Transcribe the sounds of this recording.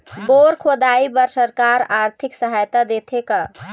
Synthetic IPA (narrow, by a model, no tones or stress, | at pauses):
boɾkʰod̪aibəɾsəɾkaɾaɾt̪ʰiksəɦajt̪ad̪et̪ʰeka